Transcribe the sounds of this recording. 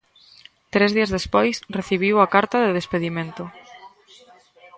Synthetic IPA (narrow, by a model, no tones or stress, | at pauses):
t̪ɾezðiɐzðespojsreθiβ̞iwakaɾt̪aðeðespeðimẽnt̪ʊ